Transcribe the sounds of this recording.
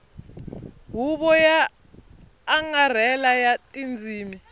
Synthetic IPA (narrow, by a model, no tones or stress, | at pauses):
ɦuɓɔja | ŋar̤ɛlajatʼind͡zʱiːmi